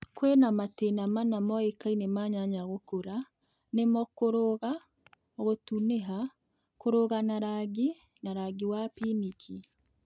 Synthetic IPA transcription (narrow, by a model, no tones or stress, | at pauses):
kwenamatenamanamɔekainemaɲaɲaɣokoɾa | nemɔkoɾoɣa | ɣotuneɦa | koɾoɣanaɾaɡi | naɾaɡiwapinikʰi